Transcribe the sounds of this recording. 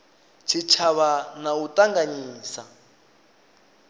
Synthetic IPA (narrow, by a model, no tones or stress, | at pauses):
t͡ʃʰit͡ʃʰaβanautʼaŋɡaɲiːsa